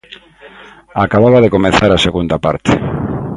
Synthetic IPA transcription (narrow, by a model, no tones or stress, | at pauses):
akaβaβaðekomeθaɾaseɣund̪apa̰ɾt̪ḛ